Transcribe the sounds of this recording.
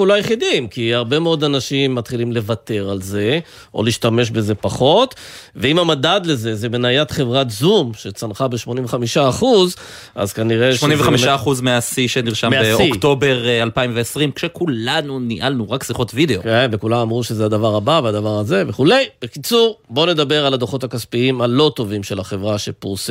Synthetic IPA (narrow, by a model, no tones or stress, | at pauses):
ulojeχidimkiaʁbe̞meo̞d̪anaʃimːat̪χilimle̞vate̞ʁalze̞ | ʔo̞̰liːʃtame̞ʃ̬be̞ze̞paχo̞tveimamadad̪le̞ze̞zebenajat̪χe̞vʁatzumʃet͡sanχabeʃmonĩmveχamiʃaːχuz | a̰zkaniʁeʃmonĩmveamiʃaaχuzmeasiʃeniʁʃamaeoikto̞beʁalpaimveesʁimkʃekulanuniʔalnuʁaksʁiχo̞tvideokenvekulamamʁuʃezead̪avaʁabavead̪avaʁaze̞veχule̞jb̥ekit͡suʁbo̞ne̞d̪abe̞ʁalad̪oχo̞takaspiimalo̞t̪o̞vimʃe̞laχe̞vʁaʃepuʁs